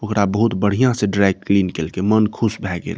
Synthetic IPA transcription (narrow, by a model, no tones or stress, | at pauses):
okɾabəɦut̪bəɽ̤ijãseɖɾaɪkːliːnkeːlkemənkʰʊsbʱɛɡḛːl